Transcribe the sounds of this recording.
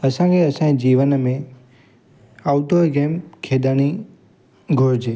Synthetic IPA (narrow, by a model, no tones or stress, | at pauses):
əsãkeəsãd͡ʒiʋənmẽ | awt̪oɡemkʰed̪ani | ɡʱoɾd͡ʒʰe